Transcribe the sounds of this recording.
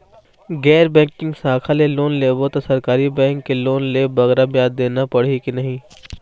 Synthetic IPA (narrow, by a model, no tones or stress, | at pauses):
ɡɛːɾbɛ̃ːŋkɪ̃ŋɡsaːkʰaleloːnleːbot̪osɐɾkaːɾibɛ̃ːŋkːeloːnleːbɐɣɾabjaːd̪ːeːnapɐɽ̤ikinɐɦĩː